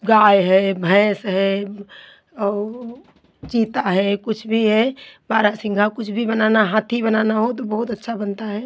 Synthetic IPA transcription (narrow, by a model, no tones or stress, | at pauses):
ɡaːjɦɛbʱə̃sɦɛ | ɔːɾ | t͡ʃiːt̪aɦɛkʊt͡ʃʰbʱiɦɛbaːɾasɪ̃ŋɡʱakʊt͡ʃʰbʱibənaːnaɦaːt̪ʰibənaːnaɦot̪obəɦʊt̪ətːʃʰabənt̪aɦɛː